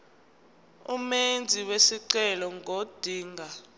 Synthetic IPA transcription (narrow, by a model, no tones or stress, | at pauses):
umend͡zʱiwesiǀɛlɔŋɡʱod̥ʱiːŋɡʱa